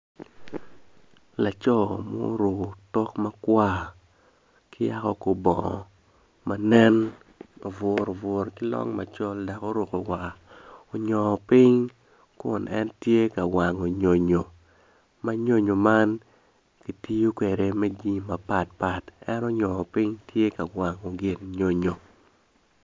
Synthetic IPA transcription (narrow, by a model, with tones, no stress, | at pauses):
la˨t͡ʃɔ˦˨mo̰˦ɾo˨ktɔ˦kma˦kwa˦ | kɪ˦ja˦kɔ˦ko˨bɔ̰˨ | ma˨nɛ˦n | a˨vɔ˨ɾo˨vɔ˨ɾkɪ˦lɔ̰˦ŋma̰˨t͡ʃɔ˦lda˨ko˦ɾo˨ko˨wa˨ | o˨ɲɔ˨pɪ˦ɲ | kʊ̰˨nʔɛ̰˦ntje˦ka˨wa˨ŋo˨ɲo˨ɲo˨ | ma˦ɲo˦ɲo˨ma˦n | ki˨ti˦jo˦kwe˨ɾe˨mɛ˦ɡi˦ma˨pa˨t̚pa˨tɛ˦no˦ɲɔ˨pɪ˦ŋtje˦ka˨wa˨ŋo˨ɡɪ˨nɲo˦ɲo˨